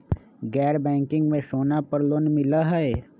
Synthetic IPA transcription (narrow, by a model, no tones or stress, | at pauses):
ɡɛːɾbɛ̃ːŋkɪ̃ŋɡmẽʃoːnapəɾlonmɪlaɦɛe